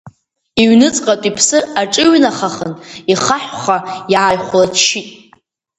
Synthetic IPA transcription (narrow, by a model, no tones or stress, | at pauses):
iɥnɨt͡sʼqʼatʷʼipʰsɨraʈ͡ʂʼɨɥnaχaχəniχaħʷχajaːjχʷlatʰʃitʼ